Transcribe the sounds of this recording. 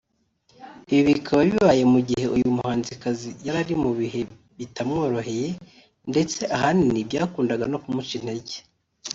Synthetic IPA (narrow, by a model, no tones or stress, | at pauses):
iβiβikʰaβaβiβaje̞muɟihe̞ʔujumuhaːnzikazijaɾaɾimuβiɦe̞ | βitʰamŋo̞ːɾo̞ɦe̞je̞ | nde̞t͡se̞ʔaɦaninibɟaːkuːndaɡano̞kumut͡ʃin̥heɟe̥